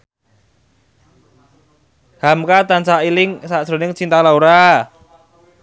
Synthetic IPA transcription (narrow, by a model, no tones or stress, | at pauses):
hamkat̪ansailɪŋsasɾo̤nɪŋt͡ʃint̪alauɾa